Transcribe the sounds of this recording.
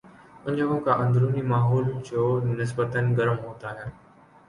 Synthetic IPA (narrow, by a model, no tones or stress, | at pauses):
ʊɲəɦõːkaʔə̃nd̪ɾuːnimaːɦɔːld͡ʑoːnɪs̬bət̪ənɡəɾəmɦoːt̪aːɦjãː